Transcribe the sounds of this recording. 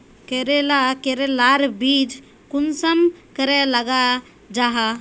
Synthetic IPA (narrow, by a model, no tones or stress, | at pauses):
keɾelakeɾelaɾbid͡ʒ | kunsəmkəɾeləɡa | d͡ʒaɦa